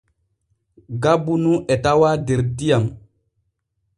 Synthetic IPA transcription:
ɡabunuʔɛtawaːdeɾdijam

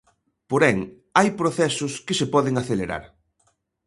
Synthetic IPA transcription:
poɾɛŋ | ajpɾoθɛsʊskɪsepɔðɪŋaθeleɾa̰ɾ

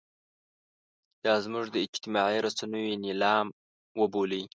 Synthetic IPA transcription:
d̪̥ɑzmuʐd̪əɪd͡ʒt̪ɪmɑʕiɾasanəjonilɑm | wəboləj

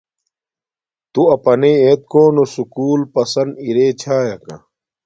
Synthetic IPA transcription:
t̪uɐpɐneːeːt̪̚koːnosukuːlpɐsɐniɾeːt͡ɕʰaːjɐkɐ̰

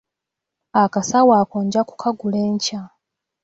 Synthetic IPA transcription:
akasawaːkoːɲɟaku̥kʰaɡuleːɲca

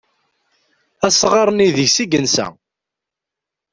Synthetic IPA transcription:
æsʁɑɾˤniðəʝsiɡənsæ̰

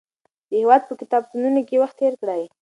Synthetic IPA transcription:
d̪̥əhewɑd̪̚pəkɪt̪ɑb̚t̪ununokewaxt̪ːeɾkɽaj

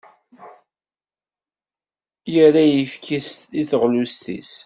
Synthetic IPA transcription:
jəɾajəfkʰist̪iθəʁlust̪ḭs

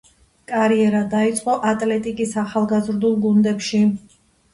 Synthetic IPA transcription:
kʼaɾiɛɾad̪ait̪sʼqʼɔʔat̪ʼlɛt̪ʼikʼisaχalˠɡazɾd̪ulˠɡund̪ɛpʃi

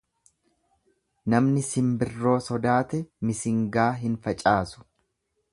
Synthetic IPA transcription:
nɐmnɪsɪmbɪrːo̞ːsɔd̪aːt̪ɛmɪsɪŋɡaːɦɪnfɐt͡ʃʼaːsʊ̥

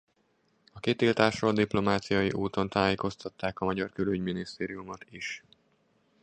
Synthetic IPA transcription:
ɒkit̪ilt̪aːʃoːld̪iplo̞maːt̪sijɒjiʔuːt̪o̞nt̪aːjeːko̞st̪ɒt̪ːaːkɒmɒɟɒrkølyɟminist̪eːɾijumot̪iʃ

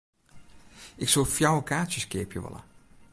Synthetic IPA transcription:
ɪksofjawokaːsjəskɪːpjəʋɔ̰lˠə̰

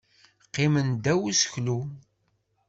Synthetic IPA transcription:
qːɪmənd̪æwusə̥çlu

